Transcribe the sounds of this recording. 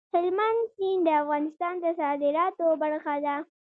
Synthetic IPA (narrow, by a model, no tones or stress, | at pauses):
hɪlmand̪sind̪əafɣɑnɪst̪ɑnd̪əsɑd̪ɪɾɑt̪obaɾxad̪a